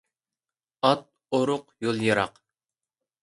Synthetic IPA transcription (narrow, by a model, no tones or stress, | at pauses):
ɑt̪̚ | oɾʊqjolˠjɨɾɑ̰q